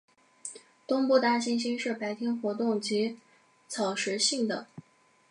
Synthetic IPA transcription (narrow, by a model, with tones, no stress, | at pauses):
t̪ʊ˥ŋpu˥˩t̪a˥ɕi˥nɕ̬i˥nʂɻ̩˥˩pa˧˥ɪt̪ʰi˥nxwɔ˧˥t̪ʊ˥˩ŋt͡ɕi˧˥ | t͡sʰɑ˨˩ʊʂɻ̩˧˥ɕi˥˩ŋd̪ə̰˩